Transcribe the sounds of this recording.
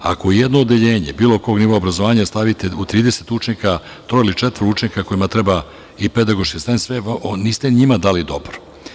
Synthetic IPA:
a̰kojed̪noːd̪eʎe̞ːɲḛbiːlo̞ko̞ːɡnivo̞aobɾazoʋaːɲast̪aʋit̪eut̪ɾiːd̪ese̥t̪ut͡ʃɲika | t̪ɾoilit͡ʂet̪ʋɾuut͡ʃɲikako̞imat̪ɾeba | iped̪aɡoʃkest̪ant̪sʋeniːst̪eɲimad̪aːlid̪o̞bɾo

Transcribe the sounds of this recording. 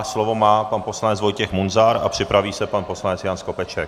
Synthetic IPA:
slo̞vo̞maːpanpo̞slanɛt͡svojcɛxmunzaɾa̰pr̥ɪpɾaviːsɛpanpo̞slanɛt͡sjansko̞pɛt͡ʃɛk̚

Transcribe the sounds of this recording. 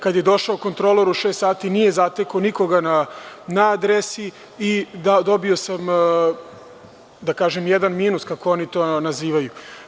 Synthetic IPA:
kad̪je̞d̪o̞ʃaoko̞nt̪ɾolˠoɾuʃest̪saːt̪inijezat̪ekoniko̞ɡananaad̪ɾesi | id̪ad̪o̞bio̞sam | d̪akaːʒemjɛd̪anmiːnuskako̞onit̪o̞ːnaziːʋaju

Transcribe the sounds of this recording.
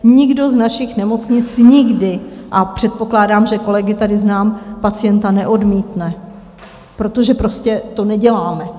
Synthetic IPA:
ɲɪɡdo̞znaʃɪxnɛmo̞t͡sɲɪt͡sɲɪɡdɪʔapr̝̥ɛt̪̚po̞klaːdaːmʒɛko̞lɛɡɪt̪adɪznaːmpat͡sɪjɛnt̪anɛʔo̞dmiːt̪nɛ | pɾo̞t̪o̞ʒɛpɾo̞scɛt̪o̞nɛɟɛlaːmɛ

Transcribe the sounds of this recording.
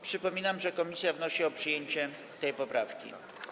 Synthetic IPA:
pʂɘpɔmʲinamʐɛkɔmʲisʲjavnɔɕiɔpʂɘjeɲt͡ɕɛ | t̪ɛjpɔpɾafkʲḭ

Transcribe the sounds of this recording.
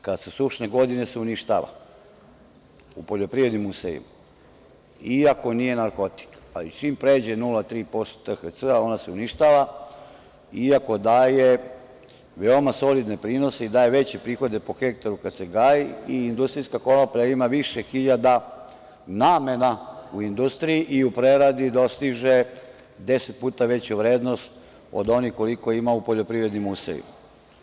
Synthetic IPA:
kad̪susuʃne̞ɡo̞d̪ine̞seuniʃt̪a̰ʋa̰ | upo̞ʎo̞pɾiʋed̪nimusḛjḭma | iako̞nije̞naɾko̞t̪i̥k | a̰lit͡ʃiːmpɾe̞d͡ʑe̞nulat̪ɾiːpo̞st̪o̥t̪əxət̪səao̞naseuniʃt̪aːʋa | iako̞d̪aːje | ʋeomaso̞lid̪ne̞pɾiːno̞se̞id̪aːje̞ʋe̞t͡ɕepɾiːxo̞d̪epo̞xe̞k̚t̪aɾukad̪se̞ɡaːjiiːnd̪ust̪ɾijskako̞nopʎaimaʋiʃexiʎad̪a | naːme̞nauind̪ust̪ɾijiʔiupɾeɾad̪id̪o̞st̪iʒe | d̪eset̪̚puːt̪aʋe̞t͡ɕuʋɾeːd̪no̞st̪ | o̞̰d̪o̞nixko̞liko̞imaupo̞ʎo̞pɾiʋɾed̪nimusḛʎṵm

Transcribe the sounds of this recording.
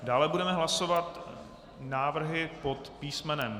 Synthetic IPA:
daːlɛbudɛmɛɦlasovat̪ | naːvr̩ɦɪpot̪piːsmɛnɛm

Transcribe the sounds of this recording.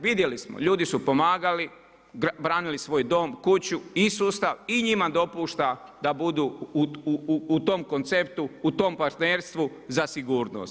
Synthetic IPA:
ʋid̪jelismo̰ʎuːd̪isupo̞maːɡali | bɾaːnilisʋo̞ːjd̪o̞ːmkut͡ɕuisuːst̪aʋiɲimad̪o̞puːʃt̪ad̪abud̪uː | t̪omko̞nt̪sept̪uːt̪o̞ːmpaɾt̪neɾst̪ʋu | zasiɡuːɾno̰ːst̪

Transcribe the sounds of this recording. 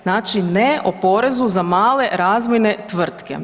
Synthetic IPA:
naːt͡ʃineʔopo̞ɾe̞zuzamaːle̞ɾaːzmenet̪ʋr̩t̪kḛ

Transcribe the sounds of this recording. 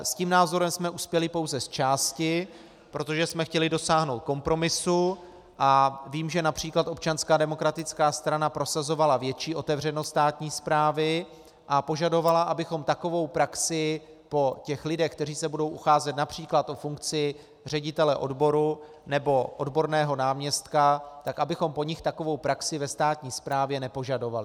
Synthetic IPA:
sciːmnaːzo̞ɾɛmsmɛʔuspjɛlɪpo̞wzɛst͡ʃaːscɪ | pɾo̞t̪oʒɛsmɛxcɛlɪdo̞saːɦno̞wt̪̚ko̞mpɾo̞mɪsu | ʔaviːmʒɛnapr̥iːklat̪ʔo̞p̚t͡ʃanskaːdɛmo̞kɾat̪ɪt͡skaːst̪ɾanapɾo̞sazo̞valavjɛt͡ʃiːʔo̞t̪ɛvr̝ɛnost̪aːt̪ɲiːspɾaːvɪ | ʔapo̞ʒado̞valaʔabɪxo̞mt̪ako̞vo̞wpɾaksɪ | po̞cɛxlɪdɛxkt̪ɛriːsɛbudo̞wʔuxaːzɛt̪napr̝̥iːklat̪ʔo̞fuŋk̚t͡sɪ | r̝ɛɟɪt̪ɛlɛʔo̞̰dbo̞ɾu | nɛbo̞ʔo̞dbo̞ɾnɛːɦo̞naːmɲɛst̪kat̪akʔabɪxo̞mpo̞ɲɪxt̪ako̞vo̞wpɾaksɪvɛst̪aːt̪ɲiːspɾaːvjɛnɛpo̞ʒado̞valɪ

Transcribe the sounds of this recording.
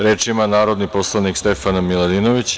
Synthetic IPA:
ɾeːt͡ʂimanaːɾo̞d̪niposlˠanikst̪efanmilad̪inoʋit͡ɕ

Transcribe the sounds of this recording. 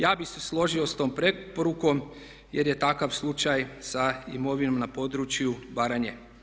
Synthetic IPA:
jaːbise̞slˠo̞ʒiost̪o̞ːmpɾe̞poɾukom | jeɾje̞t̪akaʋslˠut͡ʃajsaimo̞ʋino̞mnapo̞d̪ɾut͡ʃjubaɾaɲe

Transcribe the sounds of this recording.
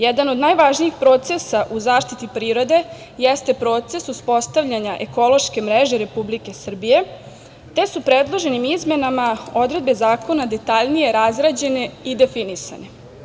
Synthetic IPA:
jɛd̪anod̪naːjʋaʒnijixpɾo̞ːt̪se̞saʔuzaːʃt̪it̪ipɾiːɾo̞d̪e̞ | jest̪e̞pɾo̞t̪sesuspo̞st̪aʋʎaɲaʔe̞ko̞lˠo̞ʃke̞mɾeʒeɾe̞publike̞sr̩bije̞ | t̪e̞supɾed̪lˠo̞ʒe̞nimizme̞namao̞d̪ɾe̞d̪̚be̞zaːko̞nad̪e̞t̪aʎnije̞ɾazɾad͡ʑe̞ne̞id̪e̞finisa̰ne̞

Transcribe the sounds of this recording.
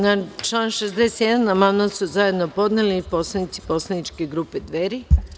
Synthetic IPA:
nat͡ʃlˠaːnʃezd̪ese̥t̪jɛd̪anːamamnasuzaje̞d̪nopo̞d̪nelipo̞slˠanit̪si̥po̞slˠanit͡ʃkeɡɾuːped̪ʋeɾi

